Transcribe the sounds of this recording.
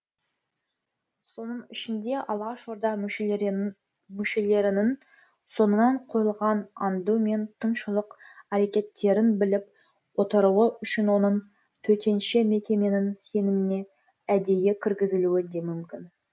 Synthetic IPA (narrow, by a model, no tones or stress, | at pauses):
so̞nəɴɪʃɪnd̪e̞ʔɑlˠʁɑʃʒo̞ɾd̪ɑ | mʏʃe̞le̞ɾɪnɪn | so̞nənɑɴqʰo̞jəlˠʁɑnɑnd̪ume̞nt̪ʰənʃəlˠəqæɾekʲe̞t̪ːe̞ɾɪnbɪlɪp̚ | wo̞t̪əɾuəʏʃɪnwo̞nəɴ | t̪ʰɵt̪e̞nʃeme̞kʲe̞me̞nɪnse̞nɪmɪne̞ | æd̪e̞jekʲʰɪɾɡʲɪzɪluɪd̪e̞mʏmkʲɪn